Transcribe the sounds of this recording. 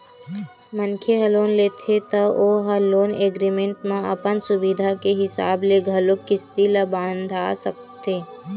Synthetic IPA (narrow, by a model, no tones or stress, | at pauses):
mənkʰeɦɐloːnleːt̪ʰet̪ooɦɐloːneːɡɾimẽɳʈmãɐ̰pənsʊbid̪ʱakeɦɪsa̰ːbleɡʱɐlokɪst̪iləbãːnd̪ʱaːsək̚ | t̪eː